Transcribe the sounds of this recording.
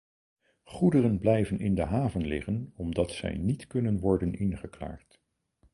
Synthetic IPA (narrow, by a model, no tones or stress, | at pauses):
χudərənblɛjvənɪ̰ndəɦaːvənlɪχənɔmdɑtsɛ̰jnitkɵnənʋɔɹdənʔɪnχəkla̰ːɹt